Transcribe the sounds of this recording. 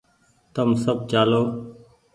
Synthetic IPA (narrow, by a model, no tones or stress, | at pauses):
t̪əmsəb̚t͡ʃaːloː